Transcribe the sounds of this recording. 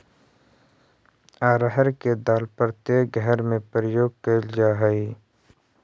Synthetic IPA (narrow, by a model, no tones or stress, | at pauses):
aːɾəɦəɾked̪aːlpəɾt̪eɡʱəɦɛɾmẽpɾəjoːɡ̚keld͡ʒaːɦəi